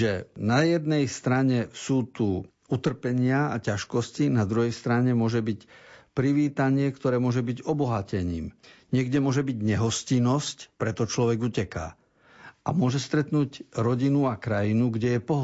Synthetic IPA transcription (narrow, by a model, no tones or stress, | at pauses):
ʒɛnajɛd̪nɛjst̪ɾaɲɛsuːt̪u | ut̪r̩pɛɲɪaacaʃkɔscinad̪ɾuɦɛjst̪ɾaɲɛmʊɔʒɛbicpɾiʋiːt̪aɲɪɛkt̪ɔɾɛːmʊɔʒɛbiɟɔbɔɦacɛɲiːmɲɪɛɡɟɛmʊɔʒɛbiɟɲɛɦɔscinɔscpɾɛt̪ɔt͡ʃlɔʋɛɡuːcɛka̰ː | ʔa̰mʊɔʒɛst̪ɾɛt̪nuːɟɾɔɟinuakɾajinuɡɟɛjɛpɔɦ